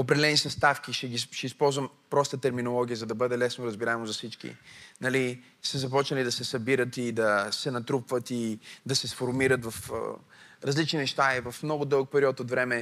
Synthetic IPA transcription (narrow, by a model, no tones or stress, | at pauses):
opɾɛd̪ɛlɛnisɐst̪afk̟iʃɛɡiʃɛispɔlˠzvəm | pɾɔst̪ət̪ɛɾminolˠɔɡ̟iəzɐd̪ɐbɤd̪ɛlɛsnoɾɐzbiɾaɛmozɐsit͡ʃkḭnɐli | sɛzɐpɔt͡ʃnəlid̪ɐsɛsɐbiɾət̪id̪ɐsɛnɐt̪ɾupvət̪id̪ɐsɛsfoɾmiɾət̪vɐf | ɾɐzlit͡ʃninɛʃt̪aivɐfmnɔɡʊd̪ɤlˠək̚pɛɾiɔt̪ot̪vɾɛmɛ